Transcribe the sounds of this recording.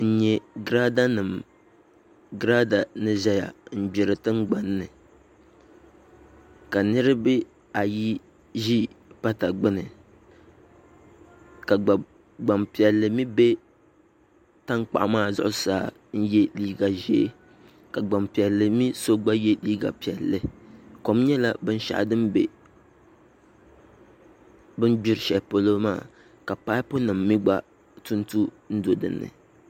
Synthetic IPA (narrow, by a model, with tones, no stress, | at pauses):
n̩˦ɲɛ˨ɡɾa˦da˦nɨ˨m | ɡɾa˦da˨nɨ˦ʒa˦ja˨m̩˨bɛ˨ɾɨ˨tɨ˦ŋ˦ɡ͡ba˦nːɨ˨ | ka˨nɨ˦ɾɨ˦bɨ˦ | a˨ji˦ | ʒi˦pa˦ta˨ɡ͡bɨ˦nɨ˨ | ka˨ɡ͡ba˨ | ɡ͡ba˨mpi˨ɛ˨lːɨ˨mi˦be˦ | ta˦ŋk͡pa̰˨ʔmaː˦˨zʊ̰˦ʔʊ˦saː˨ | n̩˦jɛ˦liː˦ɡa˨ʒe˨˦ | ka˨ɡ͡ba˨mpi˨ɛ˨lːɨ˨mi˦so˦ɡ͡ba˦jɛ˦liː˦ɡa̰˨pi˨ɛ˨lːɨ˨ko˨m˦ɲɛ˦la˦bɨ˦n˦ʃa̰˦ʔdɨ˦mbḛ˨ | bɨ˦nbi˦ɾʃɛ˨po˨lo˦maː˦˨ | ka˨pa˦ɪ˦po˦nɨ˨mːi˦ɡ͡ba˦ | tu˦n˦tu˦ | n̩˦do˨dɨ̰˨nːɨ̰˨